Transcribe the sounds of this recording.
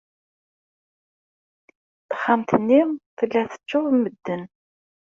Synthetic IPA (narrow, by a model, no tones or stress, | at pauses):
θə̥χːamt̪ənːɪʁθəlːæθə̥t͡ʃːʊʁmːəd̪ːən